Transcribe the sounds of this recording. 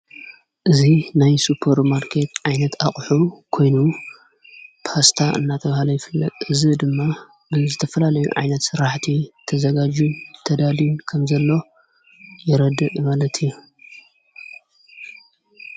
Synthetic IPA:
ʔɨzinajsupʰɐɾmaɾkʰet̪ʕajnɐt̪ʰaχʼħukʰo̞jnu | pʰast̪ʰaʔɨ̰nːat̪ʰɐβahalɐjɪfɨlːɐ̰t̪ʼɨzid̪ɨmːa | bɨzɨt̪ʰɐfɐlalɐjṵʕa̰jnɐt̪sɨɾaħt̪ʰit̪ʰɐzɐɡad͡ʒunt̪ʰɐd̪aliunkʰɐmzɐlːo̞ | jɛɾɐd̪ɨʔmalɐt̪ʰiju

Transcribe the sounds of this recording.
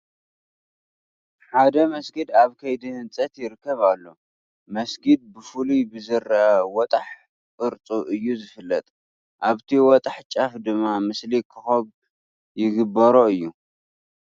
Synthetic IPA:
ħad̪ɐmɐsɡid̪aβkʰɐjd̪ihɨnt͡sʼɐt̪jɪɾɨkːɐβalːo̞ | mɐsɡid̪̚bɨfulubɨzɨɾɐwɔt̪ʼaħ | kʼɨɾt͡sʼuʔɨjːuzɨfɨlːɐt̪ʼ | ʔaβt̪ʰiwɔt̪ʼaħt͡ʃʼafd̪ɨmːamɨslikʰɨxoβ | jɪɡɨbːɐɾoɨjːu

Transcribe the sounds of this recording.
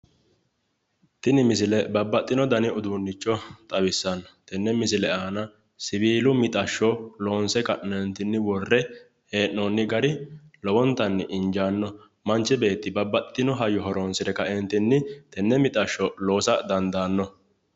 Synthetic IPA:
t̪ɪnɪmɪsɪlɛbɐbːɐt̪ʼːɪnɔd̪ɐnɪʊd̪uːnːɪt͡ʃːɔt̪ʼɐbɪsːɐnt̪ɛnːɛmɪs̬ɪlɛaːnɐ | sɪbiːlʊmɪt̪ʼɐʃːɔloːnsɛkɐʔɛnt̪ːɪnːɪwɔrːɛ | heːʔːoːnːɪɡɐɾɪ | lɔwɔnt̪ːɐnːɪʔɪnd͡ʒaːnːɔ | mɐnt͡ʃːɛbe̞ːt̪ːɪbɐbːɐt̪ʼɪt̪ɪnɔɦɐjɔɦɔɾoːnsɪɾɛkɐʔɛnt̪ɪnːɪt̪ɛnːɛmɪt̪ʼɐʃːɔlo̞ːsɐd̪ɐnd̪aːnːɔ

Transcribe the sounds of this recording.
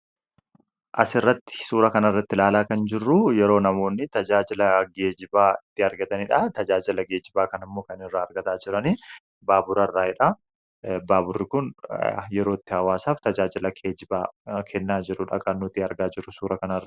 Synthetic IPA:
ʔɐ̰sɪrːɐt̪ːɪ̥suːɾɐkɐnɐɪrːɐt̪ːɪlaːlaːkɐnd͡ʒɪrːujɛɾo̞ːnɐmo̞ːnːɪt̪ɐd͡ʒaːd͡ʒɪlɐɡe̞ːd͡ʒɪbaːɪt̪ːɪɐɾɡɐt̪ɐnɪᶑɐt̪ɐd͡ʒaːd͡ʒɪlɐɡe̞ːd͡ʒɪbaːkɐnɪmːoːkɐnɪrːaːɐɾɡɐt̪aːd͡ʒɪɾɐniː | baːbʊɾɐrːaːɪᶑɐ | baːbʊrːɪkʊnjɛɾo̞ːɪt̪ːɪhɐwaːsaːft̪ɐd͡ʒaːd͡ʒɪlɐkʰed͡ʒɪbaːkʰɛnːaːd͡ʒɪɾʊᶑɐkʼɐnːʊt̪iːɐɾɡaːd͡ʒɪɾʊsuːɾɐkɐnɐr

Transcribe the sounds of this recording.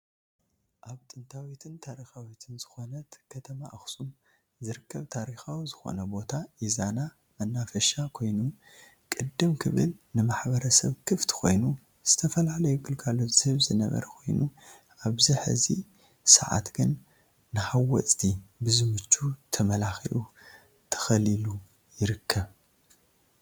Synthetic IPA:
ʔaβt̪ʼɨnt̪ʰawit̪ʰɨnt̪ʰaɾixawit̪ʰɨnzɨxo̞nɐt̪kʰɐt̪ʰɐma̰ʔɐxsʼum | zɨɾɨkːɐβt̪ʰaɾixawizɨxo̞̰nɐbo̞t̪ʰaʔizana | mɐnːafɐʃakʰo̞jnu | kʼɨd̪ːɨmkʰɨβɨ̰lnɨmaħbɐɾɐsɐβkʰɨft̪ʰkʰo̞̰jnu | z̥ɨt̪ʰɐfɐlalɐjuɡɨlkʰalːo̞zɨhɨβzɨnɐ̰βɐ̰ɾɐkʰo̞jnu | ʔaβziħɨ̰zi | sɐ̰ʕa̰t̪ɡɨnː | ɨhawːɔt͡sʼt̪ʰibɨzɨmɨt͡ʃːut̪ʰɐmɐlaxḭʔu | t̪ʰɐ̥xɐlilu | jɪɾɨkʰːɐβ

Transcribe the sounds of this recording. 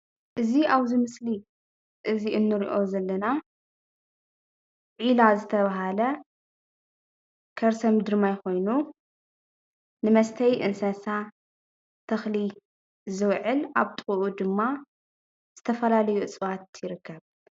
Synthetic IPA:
ʔɨziaβzimɨsli | ʔɨziʔɨnːɨɾiʔo̞zɐlːɐna | ʕilazɨt̪ʰɐβaɦalɐ | kʰɐɾsɐmd̪ɨɾmajko̞jnu | nɨmɐst̪ʰɐjʔɨ̰nsɐsa | t̪ʰɐxli | zɨwʕɨlʔaβt̪ʼɨxʼuʔud̪ɨmːa | z̥ɨt̪ʰɐfɐlalɐjuɨt͡sʼɨβat̪jɪɾɨkːɐβ

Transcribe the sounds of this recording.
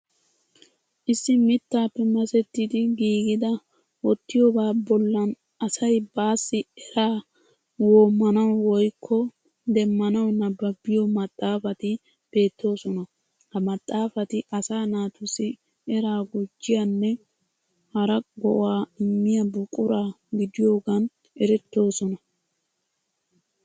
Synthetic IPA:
ʔɪsːɪmɪt̪ːaːpːɛmɐsɛt̪ːɪd̪ɪɡiːɡɪd̪ɐ | wɔt̪ːɪjɔbaːbɔlːɐn | ɐsɐjbaːsːɪɛɾaː | woːmːɐnɐwwɔjkʰːɔ | d̪ɛmːɐnɐwnːɐbɐbɪjɔmɐt̪ʼːaːfɐt̪ɪ | b̥e̞ːt̪ːo̞ːsɔnɐ | hɐmɐt̪ʼːaːfɐt̪ɪʔɐsaːnaːt̪ʊsɪ | ɛɾaːɡʊd͡ʒːɪjɐnːɛ | hɐɾɐɡɔʔwaːɪmːɪjɐbʊkʼʊɾaː | ɡɪd̪ɪjo̞ːɡɐn | ɛɾɛt̪ːo̞ːsɔnɐ

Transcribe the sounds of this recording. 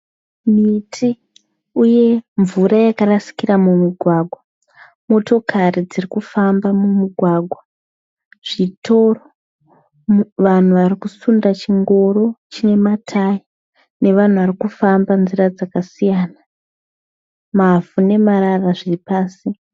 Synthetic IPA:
mitʰi | uje̞ɱvuɾajakarasi̥kiramumiɡʱwaːɡʱwa | mo̞to̞kʰarid͡zirikufambamumuɡʱwaɡʱwa | ʐ̥ito̞ːro | ʋan̤uʋarikusundat͡ʃiŋɡo̞ɾo̞t͡ʃine̞matʰai | ne̞ʋan̤uʋarikufambanzirad͡zakasijaːna | mavune̞maɾaraʐiripaːsi

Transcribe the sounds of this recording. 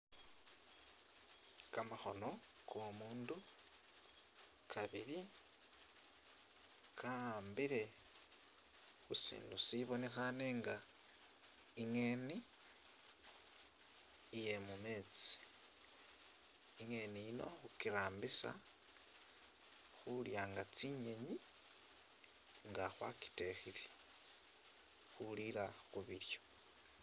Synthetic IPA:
kamaxo̞no̞komuːndu | kʰaβiɾi | kʰaambiɾe̞ | xusḭːndusiβo̞ne̞xane̞ːŋɡa | iŋe̞ːni | je̞mume̞t͡si̥ | iŋe̞niino̞̰xukiɾaːmbisa̰ | xuljaːŋɡat͡siɲe̞ɲi | ŋɡaxwa̰ki̥texile | xuliɾaxuβiɾjo̞̥

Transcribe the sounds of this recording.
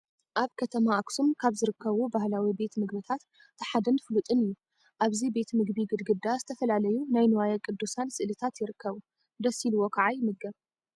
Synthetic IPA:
ʔaβkʰɐt̪ʰɐmaʔaksumkʰaβzɨɾɨkʰːɐβubahlawibe̞t̪mɨɡbɨt̪ʰat̪ːʰ | ɐħad̪ɐnfɨlut̪ʼɨnɨju | ʔaβzibe̞t̪mɨɡbiɡɨd̪ɡɨd̪ːazɨt̪ʰɐfɐlalɐjunajnɨwajakʼɨd̪ːusansɨʔlɨt̪ʰat̪jɪɾɨkːɐβu | d̪ɐsiluwo̞kʰaʕajmɨɡɐβ

